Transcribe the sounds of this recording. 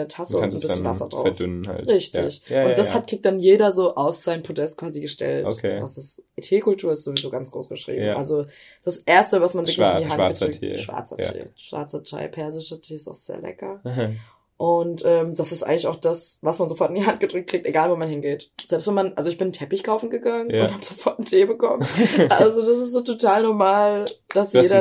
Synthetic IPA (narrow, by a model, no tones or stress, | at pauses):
nətʰasənznbɪçnənvasɐ̰dʁa̰ʊɐfdʏnəna̰lʁɪçtɪ̰çʊnd̥ashat̚kʁ̥ɪk̚td̥anjeːɾɐzoːʔaʊfz̥aɪnpʰodɛst̚kv̥aːziɡəʃtɛ̰ltokʰed̥asɪsʔetʰeːkʰʊltʰuːɐɪstz̥ovizoːɡant͡sɡ̥ʁo̰ːsɡ̥əʃʁ̥ḭːbm̩ʔa̰lzo | d̥asʔeːɐstəvasmanvɪɐklɪnndiɦan̰ɐdʁʏkt̚ʰtḭʃv̥a̰ɐt͡sɐ̰ḛːʃv̥a̰ɐt͡sɐtʰa̰ɪpʰɛɐzɪʃətʰeːɪsta̰ʊxz̥ḛːɐlɛ̰kɐ | ʔʊntʔɛːmd̥asɪstʔa̰ɪɡŋ̩lɪçaʊxd̥asvasmanzofɔɐtɪndiɦant̚ɡ̥ədʁʏk̚tkl̥ɪkteɡaːlvoːmanɦɪnɡeːtz̥ɛlpstvɛnmanʔalzoɪçb̥ɪnn̩tʰɛpɪçkʰaʊfn̩ɡəɡaŋənʊnthaːb̥z̥ofɔɐtn̩tʰeːbəkɔməʔalzod̥asɪstz̥oːtʰotʰaːlnɔɐmaːld̥asjeːɾɐ